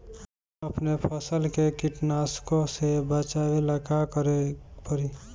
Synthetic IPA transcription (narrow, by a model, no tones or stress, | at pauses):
əpnepʰəsəlkekiʈnaskosebat͡ʃaweləkakəɾepəɾi